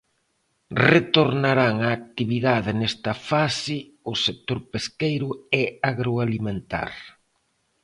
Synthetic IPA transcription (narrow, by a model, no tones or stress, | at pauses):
ret̪oɾnaɾaŋaːk̚t̪iβiðaðɪnɛst̪ɐfasɪ | ʊsek̚t̪oɾpeskejɾʊɛaɣɾoalimẽnt̪a̰ɾ